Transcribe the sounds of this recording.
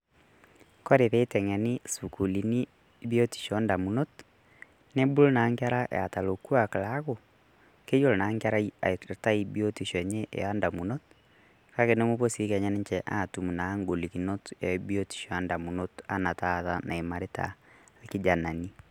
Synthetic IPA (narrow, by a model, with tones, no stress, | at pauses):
ko˦ɾe˨ðe˦tɛ˨ŋɛ˨ni˦su˨ku˨li˨ni˦ | bio˦ti̥˨ʃɔnda˨mu˨no˦t | ne˦bu˦lo˦naŋka˦ɾa˦ʔa̰˨ta˨loku˦a˨ka˨la˦ɣo | ke˦jo˦lna˨ŋkaɾa˦iata˦i˦bi˦o˦ti˨ʃɔ˨ɲe˦ʔḛ˨ja˦ndamuno˦t | ka˦ke˦ne˦mu˦βo˦si˦ka˨ɲa˦ne˦ɲt͡ʃɛʔa˨tumu˨na˨˦ŋɡo˨likino˦teɔibio˦ti̥˨ʃɔ˨ja˦nda˨munota˦na˨taða̰na˨e˨ma˨ɾeta̰˨ | ki˦d͡ʒa˨na˨ni